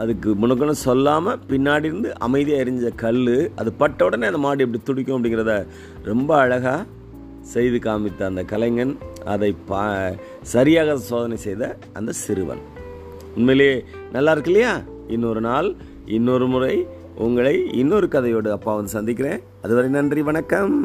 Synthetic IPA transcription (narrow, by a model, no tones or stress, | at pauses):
ɐðɯkːɯmʊɳɐk̬ːɐnːɯsɔlːaːmɐpɪnːaːɽɪɾɯnd̪ɯʔɐ̰mɐɪðijaːɪɾɪɲd͡ʒɐkɐɭːɯɐðɯpɐʈːoːɽɐneːɐnd̪ɐmaːɽiɛp̬ɐɽit̪ʊɽɪkʲːʊ̃ɐpːɐɽɪŋɡɪɾɐðɐ | ɾɛmbɐːɻɐɣaː | sɛjðɯkaːmɪt̪ːɐːnd̪ɐkɐlɐŋɡɐnɐ̰ðɐɪpa | sɐɾɪjaːɣɐsoːðɐnɐɪsɛjðɐ | ɐnd̪ɐsɪɾɯʋɐ̰n | ʊnmeːleː | nɐlːaːɪɾɯkːɯlɐjaː | ɪnːoɾɯnaːl | ɪnːoːɾɯmʊrɐɪ | ʊŋɡɐɭɐɪɪnːoɾɯkɐðɐjoːɽɯɐpːaːʋɐnd̪ɯsɐnd̪ɪk̬ʲːɪɾẽː | ɐðɯʋɐɾɐɪnɐndriʋɐɳɐkːɐm